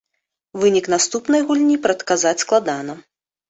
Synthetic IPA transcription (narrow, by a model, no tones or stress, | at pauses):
vɨnʲiknast̪upnɐjɣulʲnʲipɾɐt̪kazat͡sʲsklˠad̪anɐ